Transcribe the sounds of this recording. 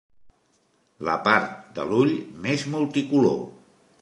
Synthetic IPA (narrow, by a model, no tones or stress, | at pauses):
lə̰paɾt̪̚d̪ə̰luʎmezmulˠt̪ikulo̰